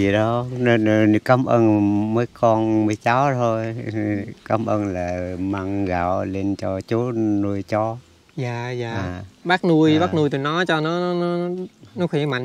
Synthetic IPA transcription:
i˨˩ɗɔ˨˦˧ | kaː˨˦mʔəː˧nməː˨˦jkɔ˧nməː˨˦jt͡ɕa˨˦wt̪ʰo˧j | kaː˨˦mʔəː˧nlaː˨˩maː˧ŋɣa̰ː˧˨wle˧nt͡ɕɔ˧t͡ɕo˨˦nu˧əjt͡ɕɔ˧ | zaː˨˩zaː˨a˨ɓaː˦˥k̚nu˧əjɓaː˦˥k̚nu˧t̪u˨˩jnɔ˨˦t͡ɕɔ˧nɔ˨˦ɔ˨˦nɔ˨˦nɔ˨˦xwi˧˩˦ma̰˧˨ŋ

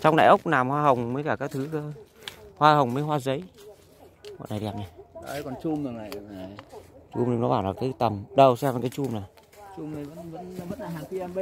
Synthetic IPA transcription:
t͡ɕɔ˧wŋ͡mnɗa̰ː˧˨ʔə˦˥k͡p̚naː˨˩mhwaː˧ɦə˨˩wŋ͡mməː˨˦jkaː˧˩kaː˦˥k̚t̪ʰɨ˨˦kə˧hwaː˧hə˨˩wŋ͡mməː˨˦jɦwaː˧zə˨˦j | mo̰˧˨na˨˩ɗɛ˨˩p̚ɲa˨˧˩ʔə˧˦jkɔ˨˩nt͡ɕu˧mɨ˨˩ŋa˨˩jŋa˨˩jt͡ɕu˧mni˧ŋ͡mnɔ˨˦ɓaː˧˩nlaː˨˩kaː˨˦jt̪ə˨˩mɗə˧wsɛ˧ma˨˩kaː˨˦t͡ɕu˧mna˨˩ | t͡ɕu˧mna˨˩və̰˧˥nvə̰˧˥n˨və̰˧˥nː˨˩a˨˩ki˧˦ʔɛ˧mɓə˦

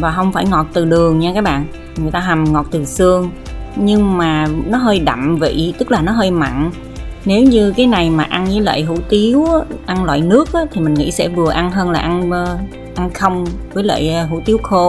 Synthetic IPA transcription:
vaː˨˩ɦə˧wŋ͡mfaː˧˩jŋɔ˨˩t̚t̪ɨ˨˩ɗɨ˨˩əŋɲaː˧kaː˦˥k̚ɓa̰ː˧˨n | ŋɨ˨˩əjt̪aː˧ɦa˨˩mŋɔ˨˩t̚t̪ɨ˨˩sɨ˧əŋ | ɲɨ˧ŋmaː˨˩nɔ˨˦ɦəː˧jɗa̰˧˨mvḭ˧˨t̪ɨ˦˥k̚laː˨˩nɔ˨˦ɦəː˧jma̰˧˨n | ne˨˦wɲɨ˧kaː˨˦jna˨˩jmaː˨˩ʔa˧nɲɨ˨˦jlə̰ː˧˨jɦṵ˧˥t̪i˨˦əwʔa˧nlwa̰ː˧˨jnɨ˦˥ək̚ʔaː˨˦t̪ʰi˨˩mï˨˩ŋ̟ŋḭ˧˥sɛ̰˧˥vɨ˨˩əʔa˧nɦəː˧nlaː˨˩ʔa˧n˧ | ʔa˧nxə˧wŋ͡mvəː˨˦jlə̰˧˨jɦṵ˧˥t̪i˨˦əwxo˧

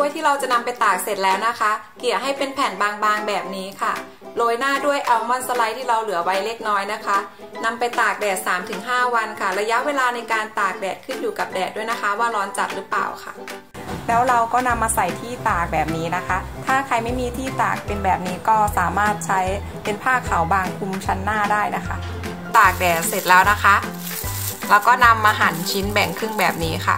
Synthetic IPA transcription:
u˥˩əjt̪ʰiː˥˩ɾa˧wt͡ɕa˨˩na˧mpa˧jt̪aː˨˩k̚se˨˩t̪̚lɛː˦˥wna˦˥kʰa˦˥ki˨˩əwɦa˥˩jpe˧npʰɛː˩˦nbaː˧ŋbaː˧ŋbɛː˨˩p̚niː˦˥kʰa˥˩ | loː˧jnaː˥˩du˥˩əjʔa˧wmɔ˧nsa˧la˧jt̪ʰiː˥˩ɾa˧wlɯ˨˩˦ɐwa˦˥jle˦˥˩k̚nɔː˦˥jna˦˥kʰa˦˥ | na˧mpa˧jt̪aː˨˩k̚dɛː˨˩t̪̚saː˩˦mt̪ʰɯ˩˦ŋɦaː˥˩wa˧nkʰa˥˩ɾa˧ja˦˥ʔweː˧laː˧na˧jkaː˧nt̪aː˨˩k̚dɛː˨˩t̪̚kʰɯ˥˩njuː˨˩ka˨˩p̚dɛː˨˩t̪̚du˥˩jna˦˥kʰa˦˥waː˥˩lɔː˦˥nt͡ɕa̰˨˩t̪̚ɾɯ˦˥pa̰ː˨˩wkʰa̰˥˩ | lɛː˦˥wɾa˧wkɔː˥˩na˧mːaː˧sa˨˩jt̪ʰiː˥˩t̪aː˨˩k̚bɛː˨˩p̚niː˦˥na˦˥kʰa˦˥t̪ʰaː˥˩kʰa˧jma˥˩jmiː˧t̪ʰiː˥˩t̪a̰ː˨˩k̚pe˧nbɛː˨˩p̚niː˦˥kɔː˥˩saː˩˦maː˥˩t̪̚t͡ɕʰa˦˥j | pe˧npʰaː˥˩kʰːa˩˦wbaː˧ŋkʰu˧mt͡ɕʰa˦˥nːaː˥˩daː˥˩jna˦˥kʰa˦˥ʔ | t̪aː˨˩k̚dɛː˨˩t̪̚se˨˩t̪̚lɛː˦˥wna˦˥kʰa˦˥ʔ | ɾɛː˦˧wkɔː˥˩na˧mʔaː˧ɦa˩˦nt͡ɕʰi˦˥nbɛ˨˩ŋkʰɯ˥˩ŋbɛː˨˩p̚niː˦˥xʰa̰˥˩

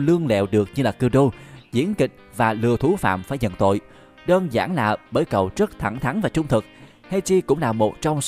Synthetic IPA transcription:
lɨ˧əŋlɛ̰˧˨wɗɨ˨˩ək̚ɲɨ˧laː˨˩kɨ˧əɗo˧zḭ˧˥ənkï˨˩k̟̚vaː˨˩lɨ˨˩ət̪ʰu˨˦fa̰ː˧˨mfaː˧˩jɲə̰˧˨nt̪o̰˧˨j | ɗəː˧nza̰ː˧˩nlaː˨˩ɓəː˧˩jkə˨˩wzə˦˥t̚t̪ʰa˧˩ŋt̪ʰa˨˦nvaː˨˩t͡ɕʊ˧ŋ͡mt̪ʰɨ˨˩k̚ | ha˧jt͡ɕi˧kʊ̰˧˥ŋ͡mlaː˨˩mo˨˩t̚t͡ɕɔ˧wŋ͡ms

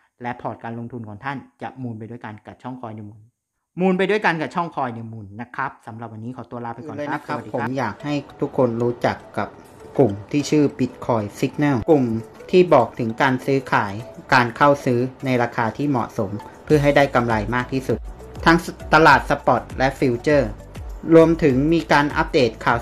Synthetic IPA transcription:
lɛ˦˥pʰɔː˨˩t̪̚kaː˧nlo˧ŋt̪ʰu˧nkʰɔː˨˩˦ŋt̪ʰa˥˩nt͡ɕa˨˩ʔmuː˧npa˧jdu˥˩ə˨jka˧nka˨˩p̚t͡ɕʰɔ˥˩ŋkʰɔː˧jnɯ˧mu˨˩n | muː˧np̬a˧jdu˥˩əjka˧nka˨˩t͡ɕʰɔ˥˩ŋkʰɔː˧jnɯ˧mu˨˩nːa˦˥kʰa˦˥p̚sa˩˦mɾa˨˩p̚wa˧niː˦˥kʰɔː˩˦t̪u˧ɐlaː˦˥˩pʰa˧kɔː˨˩˧a˦˥kʰa˦˨pːpʰːo˩˦mjaː˨˩k̚ha˥˩jt̪ʰu˦˥kʰːo˧nɾuː˦˥t͡ɕa˨˩kːa˨˩p̚ | klu˨˩mt̪ʰiː˥˩t͡ɕʰɯː˥˩bi˦˥t̪̚kʰɔː˧jsi˦˥k̚nɛ˥˩wklu˨˩mt̪ʰiː˥˩bɔː˨˩k̚t̪ʰɯ˩˦ŋkaː˧nsɯː˦˥kʰaː˩˦jkaː˧nkʰa˥˩wsɯː˦˥na˧jɾaː˧kʰaː˧t̪ʰiː˥˩mɔ̰˨˩ʔso˩˦mpʰɯ˥˩ɐɦa˥˩jdaː˥˩jka˧mɾa˧jmaː˥˩k̚t̪ʰiː˥˩su˨˩t̪̚ | t̪ʰa˦˥ŋt̪a˧laː˨˩t̪̚sa˧pɔ˨˩t̪̚lɛ˦˥ʔfi˧˥wt͡ɕɤː˥˩ | ɾu˧əmt̪ʰɯ˩˦ŋmiː˧kaː˧nʔa̰˦˥p̚deː˨˩t̪̚kʰaː˨˩w

